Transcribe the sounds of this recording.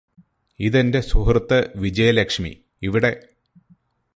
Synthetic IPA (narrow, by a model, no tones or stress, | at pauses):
iðende̞suɦrɨt̪ːɐʋid͡ʑɐjɐlekʂmḭ | iʋiɽe̞